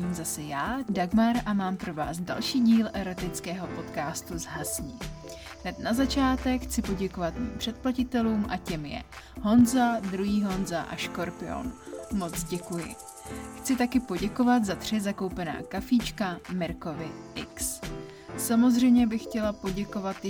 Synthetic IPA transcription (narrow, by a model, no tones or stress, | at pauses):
iːmzasɛjaːdaɡmaɾʔamaːmpɾo̞va̰ːzda̰lʃiːɟiːlʔɛɾo̞t̪ɪt͡skɛːɦo̞po̞t̪kaːst̪uzɦasɲiː | ɦnɛt̪nazat͡ʃaːt̪ɛkxt͡sɪpo̞ɟɛko̞vat̪mḭːmpr̝̥ɛt̪̚placɪt̪ɛluːmʔa̰cɛmjɛ̰ | ɦo̞nzad̪ɾuɦiːɦo̞nzaʔa̰ʃko̞ɾpɪo̰nmo̞t͡sɟɛkujɪ̰ | xt͡sɪt̪akɪpo̞ɟɛko̞vat̪zat̪r̝̥ɪzako̞wpɛna̰ːkafiːt͡ʃkamɪɾko̞vɪʔɪks | samo̞zr̝ɛjmɲɛbɪxːcɛlapo̞ɟɛko̞vat̪